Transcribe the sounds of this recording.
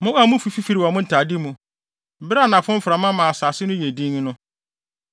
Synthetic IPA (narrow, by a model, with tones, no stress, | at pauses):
mʊ̃˦a˦˨mʊ̃˦fi˨fi˦fi˨ɾi˨wɔ˨mʊ̃˦n̩˨tʰa˨di˦mũ˨ | bɪ˦ɾa˦˨nã˨fʊ̃˦m̩˦fɾa˨mã˦mãː˨saː˨sɪ˦nʊ̃˦je˨dĩ˦ŋ˦nʊ̃˦